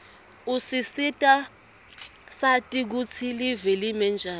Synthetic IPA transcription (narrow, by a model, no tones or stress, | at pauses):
usisitʼa | satʼik̬ut͡sʰilivɛlimɛnd͡ʒʱaː